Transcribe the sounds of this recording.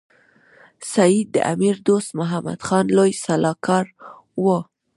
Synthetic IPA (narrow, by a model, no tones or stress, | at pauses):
sajid̪ːə̰ʔa̰miɾd̪ost̪mʊɦama̰d̪̥xɑnlojsalɑkɑɾ | wə